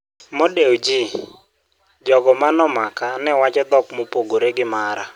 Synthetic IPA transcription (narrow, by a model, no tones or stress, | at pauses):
modewd͡ʒi | d͡ʒɔɡɔmanɔmakanɛwat͡ʃɛd̪ɔkmopoɡoɾeɡɪmaɾa